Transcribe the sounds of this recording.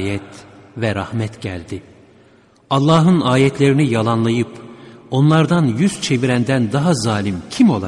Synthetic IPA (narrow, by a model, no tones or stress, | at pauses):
jɛt̪vɛɾahmɛt̪ɟæ̰lʲd̪i | ɑlˠːaːɦɯnaːjɛt̪ʰlʲe̞ɾinijalˠanlˠajɯpo̞nlˠaɾd̪anjyz̥t͡ʃʰe̞viɾænd̪ænd̪aɦazaːlʲimcʰimo̞lˠa